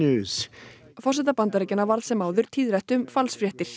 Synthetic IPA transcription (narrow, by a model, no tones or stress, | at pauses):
ʉːz̥ | fɔrsɛt̪apant̪aɾɛːcɪnavaɾlsɛmaːwðʏɾ̥t̪ʰiːðɾɛht̪ʏmfalsfɾjɛht̪ɪɾ̥